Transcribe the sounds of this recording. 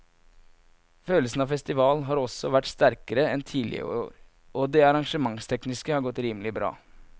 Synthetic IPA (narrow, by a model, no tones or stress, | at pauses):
føːləsn̩ɑːʋfɛst̪ɪʋɑːlnɦɑːɾɔsɔʋæʈst̪æɾkəɾəɛnt̪ʰiːlɪ̰ə̰oːɾ | ɔd̪ɛɑɾɑŋʂəmɑŋst̪ʰɛknɪskəhɑɾɡɔt̪ːɾiːməlɪbɾɑ̰ː